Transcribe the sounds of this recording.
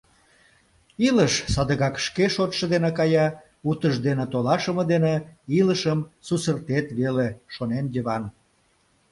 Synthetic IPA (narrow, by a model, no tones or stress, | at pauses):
iləʃsɑd̪əɣɑkʃkeʃot̪ʃə̆d̪enekɑjɑ | ut̪əʒd̪enet̪olɑʃəməd̪eneiləʃəmsusərt̪et̪βeleʃonenjəβɑn